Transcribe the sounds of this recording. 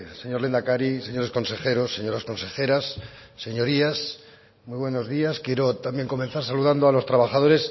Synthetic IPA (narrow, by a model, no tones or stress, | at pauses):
se̞ɲo̞ɾlend̪akaɾiseɲo̞ɾe̞sko̞nse̞xe̞ɾo̞sːe̞ɲo̞ɾasko̞nse̞xe̞ɾasːe̞ɲo̞ɾias | mwijβweno̞zðiaskje̞ɾot̪ambje̞ŋko̞menθaɾsaluðand̪oalo̞st̪ɾaβaxað̞o̞ɾe̞s